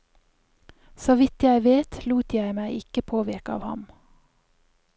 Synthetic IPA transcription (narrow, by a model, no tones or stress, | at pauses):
soʋɪt̪jæɪʋeːt̪luːt̪ʰjæɪmæɪʔɪkəpʰoːʋɪɾkəɑ̰ːʋhɑ̰m